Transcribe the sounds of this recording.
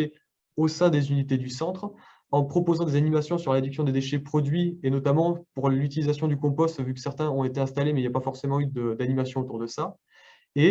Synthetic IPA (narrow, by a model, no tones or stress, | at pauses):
e | osɛ̃d̪ezynit̪ed̪ysɑ̃t̪χ | ɑ̃pχɔpozɑ̃d̪ezanimasjɔ̃syʁlad̪yksjɔ̃d̪ed̪eʃɛpχɔd̪ɥienɔt̪amɑ̃puʁlyt̪ilizasjɔ̃d̪ykɔ̃pɔst̪vykəsɛʁt̪ɛ̃ɔ̃et̪eɛ̃st̪alemɛiljapafɔʁsemɑ̃yd̪əd̪animasjɔ̃ot̪uʁd̪əsa | e